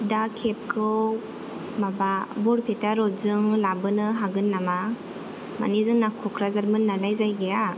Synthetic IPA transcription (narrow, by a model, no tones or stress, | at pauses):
dakʰep̚kʰɯw | mababɔɾpʰetaɾɔzɯŋlabɯnɯɦaɡɯnːama | ma̰nizɯŋnakʰɔkʰɾazaɾmɯnːalajzajɡija